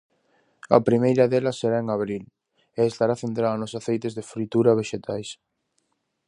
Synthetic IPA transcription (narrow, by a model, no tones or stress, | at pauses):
ɐ̰pɾimejɾɐðelɐsːeɾaeŋaβ̞ɾil | eest̪aɾaθent̪ɾaðɐnʊsaθejt̪ezðefɾit̪uɾɐβeʃet̪ʰajs